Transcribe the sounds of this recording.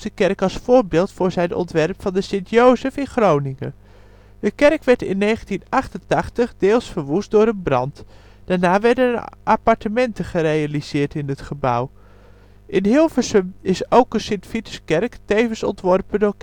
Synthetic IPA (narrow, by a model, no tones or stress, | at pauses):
əkɛrkɑlˠsfʊːɹbɪːlˠtfʊːɹzɛjnɔ̰ntʋɛrpfɑndəsɪntjowsəfɪnχrownɪŋə̰ | dəkɛrkʋɛɹtɪ̰nːejχəntinɑχtəntɑχtəχdeːlˠsfəɹʋustdʊːɾənbrɑ̰nt | d̥aːɹnaːʋɛɹdənʔapɑɹtəmɛntəχəɾejaliz̥ɪːɹtɪnətχəbʌ̰w | ʔɪnɦɪlˠvəsəmɪsowkəsɪntfitə̥skɛrktejvənsɔ̰ntʋɔrpədoːɹk